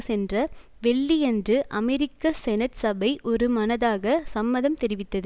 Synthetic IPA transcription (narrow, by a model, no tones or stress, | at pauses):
sɛndrɐ | ʋɛɭːiɛndrɯʔɐmɛɾɪkːɐsɛnɐʈsɐbɐɪʔɔɾɯmɐnɐðaːɣɐsɐmːɐðɐmt̪ɛɾɪʋɪt̪ːɐðɯ